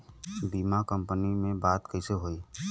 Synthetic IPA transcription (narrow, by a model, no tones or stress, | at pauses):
biːmakə̃mpənimẽbaːt̪kəɪseɦoːiː